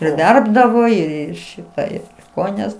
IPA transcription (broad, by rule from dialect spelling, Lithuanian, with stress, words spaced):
ɪr ˈʋʲɛrbdɐʋoː ɪr ɪr ˈʃʲɪtɑː ɪr ˈkoːjɪnʲɛs